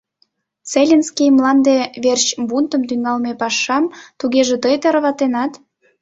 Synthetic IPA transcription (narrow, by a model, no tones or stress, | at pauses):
t͡selʲenskijmlɑnd̪eβert͡ɕbunt̪əmt̪yŋɑlmepɑʃɑmt̪uɣeʒĕt̪əjt̪eɾβɑt̪enɑt̪